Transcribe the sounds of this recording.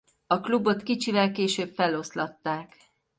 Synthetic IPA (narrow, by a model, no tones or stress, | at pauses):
ɒklubo̞t̪kit͡ʃivɛlkeːʃøːbfɛlo̞slɒt̪ːaːk